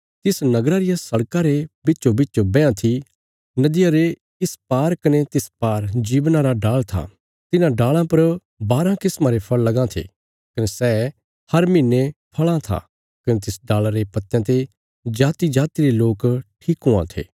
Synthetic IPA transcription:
t̪ɪsnɐɡɾaɾɪjasɐɽkaɾebɪːʃobɪt͡ʃːobɛ̃ːãt̪ʰi | nɐd̪ɪjaɾe | ɪspaːɾkɐnet̪ɪspaːɾd͡ʒiːbnaɾaɖaːɭt̪ʰa̰ | t̪ɪnãɖaːɭãpɐɾ | baːɾãkɪsmãɾepʰɐɭːɐɡãt̪ʰḛ | kɐnesɛː | hɐɾmɪnːepʰɐɭãt̪ʰa̰ː | kɐnet̪ɪsɖaːlaɾepɐt̪ːjãt̪e | d͡ʒaːt̪id͡ʒaːt̪iɾeloːkʈʰiːkɦʊã̰t̪ʰḛː

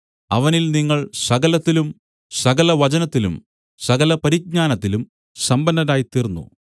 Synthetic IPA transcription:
ɐʋɐnilniŋːɐɭsɐɣɐlɐt̪ːilum | sɐɡɐlɐʋɐt͡ɕɐnɐt̪ːilṵm | sɐɣɐlɐpɐɾiɡ̚ɲaːnɐt̪ːilum | sɐmbɐndɐnaːjit̪irnːṵ

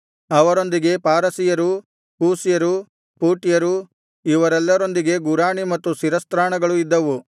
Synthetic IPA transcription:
ɐʋɐɾo̞nd̪iɡe̞paːɾɐsijɐɾu | puːsijɐɾu | puːʈijɐɾu | iʋɐɾɛlːɐɾo̞nd̪iɡe̞ɡuɾaːɳimɐt̪ːusiɾɐst̪ɾaːɳɐɡɐɭuid̪ːɐʋu

